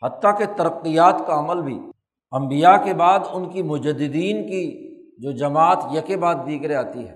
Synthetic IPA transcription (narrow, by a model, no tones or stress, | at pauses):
hɐt̪ːaket̪ɐɾəqːijaːt̪kaɐməlbʱḭ | ɐ̃mbijakebaːd̪ʊnkimʊd͡ʒəd̪ɪd̪iːnkid͡ʒoːd͡ʒɐmaːt̪jɐkebaːd̪̚ːiːkɾeaːt̪iɦɛː